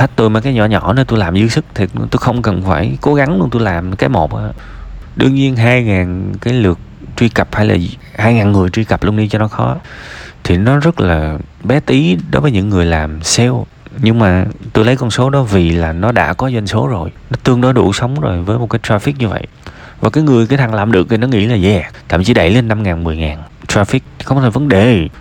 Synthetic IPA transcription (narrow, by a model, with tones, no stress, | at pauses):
tʰa˦˥t̚t̪o˧jmaː˨˩kaː˨˦jɲɔ˧˩ɲɔ̰˧˩ne˧nt̪o˧jlaː˨˩mzɨ˨˦sɨ˦˥k̚t̪ʰi˨˩t̪o˧xə˧wŋ͡mkə˨˩nfaː˧˩jko˨˦ɣa˨˦ŋlu˧əŋt̪o˧jlaː˨˩mkaː˨˦jmo˨˩k͡p̚ʔaː˧˩ | ɗɨ̰˧əŋɲi˧ənɦaː˧jŋaː˨˩nkaː˨˦jlɨ˨˩ək̚t͡ɕwi˧kə˨˩p̚haː˧˩jla̰ː˨˩ | haː˧jŋaː˨˩nŋɨ˨˩əjt͡ɕwi˧kə˨˩p̚lu˧ənɗi˧t͡ɕɔ˧nɔ˨˦xɔ˨˦t̪ʰi˨˩nɔ˨˦zə˦˥t̚laː˨˩ɓɛ˨˦t̪i˨˦ɗo˨˦jvəː˨˦jɲɨ̰˧˥ŋːɨ˨˩əjlaː˨˩msɛ˧w | ɲɨ˧ŋmaː˨˩t̪o˧jlə˨˦jkɔ˧nso˨˦ɗɔ˨˦vi˨˩laː˨˩nɔ˨˦ɗa̰ː˧˥kɔ˨˦za˧ŋ̟so˨˦zo˨˩jnɔ˨˦t̪ɨ˧əŋɗɔ˨˦ɗṵ˧˩sə˨˦wŋ͡mzo˨˩jvəː˨˦jmo˨˩kaː˨˦jt̪aː˧fi˦˥k̚ɲɨ˧və̰˧˨j | vaː˨˩kaː˨˦jŋɨ˨˩əjka˨˦t̪ʰa˨˩ŋlaː˨˩mɗɨ˨˩ək̚t̪i˨˩nɔ˨˦ŋḭ˧˥laː˨˩zɛ˧˩˨t̪a̰ː˧˨mt͡ɕi˧˦ɗə˧˩jle˧nːa˧mŋaː˨˩nmɨ˨˩əjŋaː˨˩n | t̪ɹaː˧fi˦˥k̚xə˧wŋ͡mt̪ʰːvə˨˦nɗe˨˩